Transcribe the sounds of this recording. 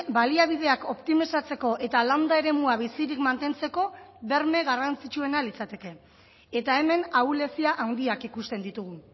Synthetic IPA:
baliaβ̞ið̞e̞ako̞pt̪imisat͡se̞ko̞ʔe̞t̪alawnd̪ae̞ɾe̞muaβ̞isiɾikmant̪e̞nt͡se̞ko̞βe̞ɾme̞ɣarant͡sit͡ʃue̞nalit͡sat̪e̞ke̞ | et̪ae̞me̞naule̞siaʔawnd̪iakikust̪e̞nd̪it̪uɣ̞u

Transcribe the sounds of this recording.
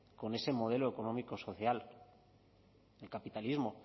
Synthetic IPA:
ko̞ne̞se̞mo̞ð̞e̞loeko̞no̞miko̞so̞θjal | elkapit̪alizmo̞

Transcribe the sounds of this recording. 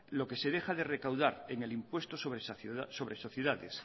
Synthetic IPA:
lo̞ke̞se̞ðexaðe̞rekawðaɾeŋelimpwe̞st̪osoβɾeso̞βɾeso̞θjeðaðes

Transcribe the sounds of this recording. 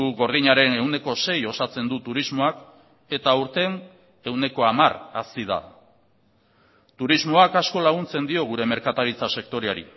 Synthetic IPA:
uɣo̞ɾðiɲaɾe̞ne̞wne̞ko̞se̞jo̞sat͡se̞nd̪ut̪uɾizmo̞ak | e̞t̪auɾt̪e̞n | e̞wne̞ko̞amarasiða̰ | t̪uɾizmo̞akasko̞laɣunt͡se̞nd̪io̞ɣ̞uɾe̞me̞ɾkat̪aɾit͡sase̞kt̪o̞ɾeaɾḭ

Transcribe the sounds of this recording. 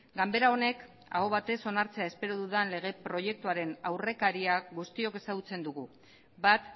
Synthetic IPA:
ɡambe̞ɾao̞ne̞k | a̰ɣo̞β̞at̪e̞so̞naɾt͡se̞ae̞spe̞ɾoðuðanle̞ɣ̞e̞pɾo̞je̞k̚t̪uaɾe̞nawre̞kaɾiaɣust̪io̞ke̞saɣut͡se̞nd̪uɣu | bat̪

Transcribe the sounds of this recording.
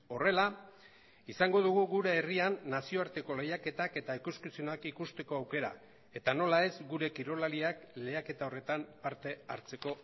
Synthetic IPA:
o̞re̞la | isaŋɡo̞ð̞uɣ̞uɣuɾeːrianːasio̞aɾt̪e̞ko̞le̞jake̞t̪ake̞t̪aikuskisionakikust̪e̞ko̞awke̞ɾa̰ | e̞t̪ano̞lae̞zɡuɾe̞kiɾolaɾiakle̞jake̞t̪ao̞re̞t̪ampaɾt̪e̞aɾt͡se̞ko̞

